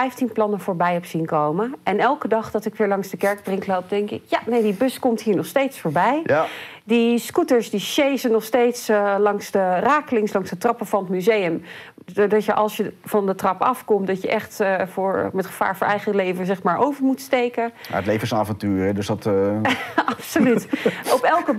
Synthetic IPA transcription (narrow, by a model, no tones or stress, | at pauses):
ɛjftinplɑnəvʊːɹbɛjɛpsinkowməʔɛnɛlˠkədɑχd̥ɑtɪkʋɪːɹlɑŋsdəkɛɹk̚drɪŋklowp̚dɛŋkɪkjanejdibøskɔmtɦiːɹnɔχstejtsfoːɹbɛj | dəskutəɹsdiʃejzənɔχstejtslɑŋsdəraːkəlɪŋslɑŋsdətrɑpəvɑnətmyzejəm | odɑtjəʔɑlˠsjəvɑndətrɑpɑfkɔmtdɑtjəʔɛχtvʊːɹmɛtχəv̥a̰ːɹvʊːɹʔɛjχəlejvəzɛχmaːɹʔowvəɹmutstejkəa̰ətlejvənsaːvɑntyːɾədɵsdɑt | ɑpsolytɔpɛlˠkə